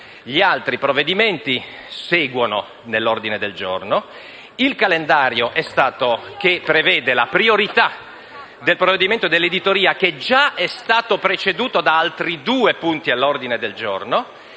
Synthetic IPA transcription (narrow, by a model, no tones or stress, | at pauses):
ʎialt̪ɾipɾovːed̪iment̪i | sɛːɡwono | nelːord̪ined̪eld͡ʒo̰rno | ilkalend̪aːɾjoʔɛst̪aːt̪okepːɾevɛːd̪elapɾioɾit̪a | d̪elpɾoved̪iment̪od̪elːed̪it̪oɾiːaked͡ʒaɛst̪aːt̪opɾet͡ʃed̪uːt̪od̪aalt̪ɾid̪uːepunt̪ialːord̪ined̪eld͡ʒorno